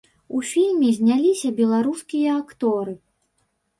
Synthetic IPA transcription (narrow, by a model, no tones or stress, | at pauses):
ufʲilʲmʲizʲnʲalʲisʲɐbʲɛlˠaɾuskʲijɐakt̪ɔɾɨ